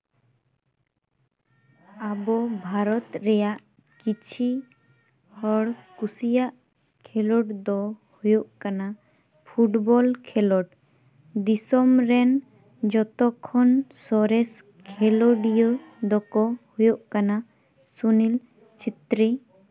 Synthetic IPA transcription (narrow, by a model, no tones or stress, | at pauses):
abɔbʱaɾɔt̪ɾɛjaʔ | kit͡ʃʰi | hɔɽkusijaʔ | kʰɛlɔʈd̪ɔhujoʔkana | pʰuʈbɔlkʰɛlɔʈ | d̪isɔmɾɛn | d͡ʒɔt̪ɔkʰːɔnsɔɾɛs | kkʰɛloɖijod̪ɔkɔhujoʔkana | sunil | t͡ʃʰit̪ɾi